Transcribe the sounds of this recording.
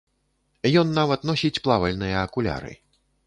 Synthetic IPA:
jɔnːavɐt̪nɔsʲit͡sʲplˠavɐlʲnɨjɐːkulʲa̰ɾɨ̰

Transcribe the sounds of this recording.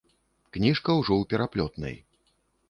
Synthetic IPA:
knʲiʂkɐwʐɔwpʲɛɾaplʲɔt̪nɐ̰j

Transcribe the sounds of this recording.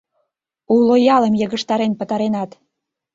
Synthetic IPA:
ulojɑlə̆mjə̆ɣə̆ʃt̪ɑɾenpət̪ɑɾenɑt̪

